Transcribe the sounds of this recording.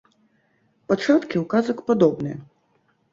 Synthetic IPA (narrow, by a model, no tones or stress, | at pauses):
pɔt͡ʂat̪kʲɪwkazɔkpɔd̪ɔbnɛ